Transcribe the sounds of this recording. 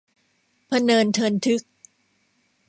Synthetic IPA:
pʰa˧nɤː˧nt̪ʰɤː˧nt̪ʰɯ˦˥k̚

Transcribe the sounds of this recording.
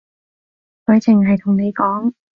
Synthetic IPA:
kɵ˨˧˥t͡sʰɪ˨˩ŋɦɐ˨jt̪ʰʊ˨˩ŋne˨˧jkɔː˨˥ŋ

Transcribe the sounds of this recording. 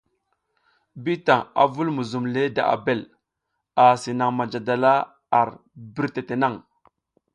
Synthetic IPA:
bi˦ta˨a̰˨vu˦lmu˨zu˨mle˦da̰˨ʔa̰˨be˦˨l | a˨si˨na˨ŋma˨d͡ʒa˨da˨la˦ | a˨ɾbi˦ɾte˨te˨na˦˨ŋ

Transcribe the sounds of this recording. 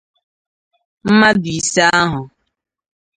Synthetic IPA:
m̩˦ma˦bi˨sa˦a˦ɦʊ˨

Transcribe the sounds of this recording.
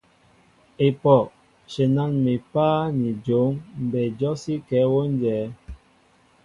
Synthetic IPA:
e˨pɔ˨ | ʃe˨na˦˨ŋmi˨paː˦ni˨d͡ʒo˨˦ŋm̩˨bɛ˨d͡ʒɔ˦si˦kɛː˨˦wo˦n˦d͡ʒɛː˨˦

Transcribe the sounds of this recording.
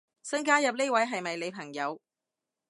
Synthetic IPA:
sɐ˥nkaː˥jɐ˨p̚ne˥wɐ˨˥jɦɐ˨jmɐ˨jle˨˧jpʰɐ˨˩ŋjɐ˨˧w

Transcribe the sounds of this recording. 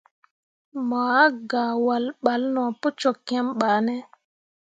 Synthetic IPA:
ma˨a˦ɡa˨wa˨lɓa˨lnɔ˨po˦t͡ʃɔ˨kːɛ˦mɓaː˨nɛ˦

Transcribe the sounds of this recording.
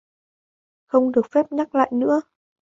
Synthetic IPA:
xə˧wŋ͡mɗɨ˨˩ək̚fɛ˦˥p̚ɲa˦˥k̚la̰ː˧˨jnɨ̰˧˥ə

